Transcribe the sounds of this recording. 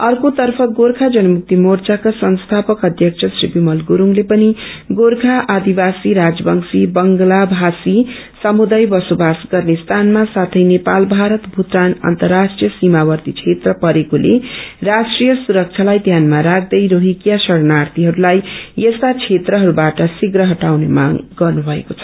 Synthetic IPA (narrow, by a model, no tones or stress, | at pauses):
ʌrkot̪ʌrpʰʌɡorkʰad͡zʌnʌmuk̚t̪imort͡sakasʌnst̪ʰapʌkʌd̪ʱjʌk̚t͡ʃʰʌsribimʌlɡuɾuŋlepʌniɡoɾkʰaʔad̪ibasiɾad͡zʌbʌŋsibʌŋɡlabʱasi | sʌmud̪ajbʌsobasɡʌrnest̪ʰanmasat̪ʰʌjnepalbʱaɾʌt̪bʱut̪ranʌ̰nt̪ʌrːaʂʈrijʌsimabʌrt̪it͡sʰet̪rʌpʌɾekolḛrasʈrijʌsuɾʌk̚t͡sʰalajd̪ʱjanmaɾak̚d̪ʌjɾoɦikjasʌɽnart̪iɦʌɾulajest̪at͡sʰet̪rʌɦʌɾubaʈʌsiɡɾʌɦʌʈawnḛma̰ŋɡʌrnubʱʌḛkot͡sʰʌ̥